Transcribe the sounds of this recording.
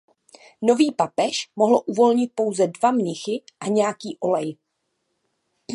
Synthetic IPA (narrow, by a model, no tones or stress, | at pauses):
no̞viːpapɛʃmo̞ɦloʔuvo̞lɲɪt̪̚po̞wzɛdvamɲɪxɪʔaɲɛjakiːʔo̞lɛj